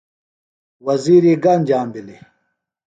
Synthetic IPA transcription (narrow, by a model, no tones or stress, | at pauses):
wɐziːɾiɡand͡ʑaːmbili